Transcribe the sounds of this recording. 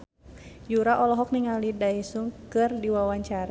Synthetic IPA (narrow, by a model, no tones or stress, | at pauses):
juɾaʔɔlɔɦɔk̚niŋalidaisuŋkɨrdiwawaɲt͡ʃaɾ